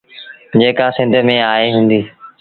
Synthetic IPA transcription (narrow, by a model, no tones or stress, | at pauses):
d͡ʑeːkasɪ̃nd̪ʱəmẽaːɦeɦũːnd̪iː